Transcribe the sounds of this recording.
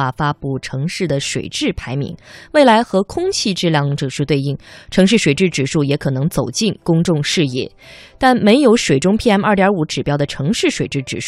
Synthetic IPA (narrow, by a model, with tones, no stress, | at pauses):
a˥˧fa˥pu˥˩ʈ͡ʂʰɤ˧˥ŋʂɻ̩˥˩d̪ə˩ʂwḛ˨˩ɪʈ͡ʂɻ̩˥˩pʰa˧˥ɪmḭ˧˥ŋwe˥˩ɪla˧˥ɪxɤ˧˥kʰʊ˥ŋt͡ɕʰi˥˧ʈ͡ʂɻ̩˥˧ljɑ˥˧ŋʈ͡ʂɤ˥˧˩ʂɻ̩˥˧t̪we˥˧ɪi˥˩ŋʈ͡ʂʰɤ˧˥ŋʂ̬ɻ̩˥˩ʂwe˨˩ɪʈ͡ʂɻ̩˥˩ʈ͡ʂɻ̩˨˩ʂu˥˩jɛ˧˥kʰɤ˨˩nɤ˧˥ŋt͡so˨˩ʊt͡ɕi˥˩nkʊ˥ŋʈ͡ʂʊ˥˧ŋʂɻ̩˥˧jɛ̰˥˩ | t̪a˥˩nme˧˥ɪjo˧˥ʊʂwe˨˩ɪʈ͡ʂʊ˥ŋpʰi˥˧ɛ˥mɐ˞˥˩t̪jɑ˞˧˥u˧˥ʈ͡ʂɻ̩˨˩pjɑ˥ʊd̪ə˨ʈ͡ʂʰɤ˧˥ŋʂɻ̩˥˩ʂwe˨˩ɪʈ͡ʂɻ̩˥˩ʈ͡ʂɻ̩̰˨˩ʂ